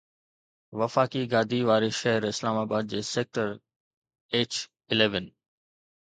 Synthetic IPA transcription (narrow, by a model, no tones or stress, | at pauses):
ʋɐfaːkiɡaːd̪ʱiʋaːɾeʃɐɦəɾɪslaːmaːbaːd̪̚d͡ʑeːseːk̚ʈəɾ | eːt͡ʃ | ɪleːʋən